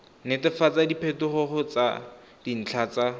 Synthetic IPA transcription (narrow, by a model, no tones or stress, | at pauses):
netɪfat͡sadipʰɛtʊχʊχʊt͡sa̰ | d̥in̩t͡ɬʰaːt͡sa